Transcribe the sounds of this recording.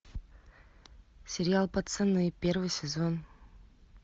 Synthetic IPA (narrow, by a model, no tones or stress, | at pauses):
sʲɪɾʲɪalˠpɐt̪sɛnːɨjpʲervɨjsʲɪzon